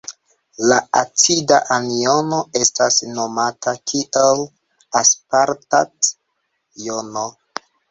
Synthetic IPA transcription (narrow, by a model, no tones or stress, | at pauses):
laat͡sidaʔanio̞no̞e̞stasno̞matʰakʰiʔal | aspaɾtat | jono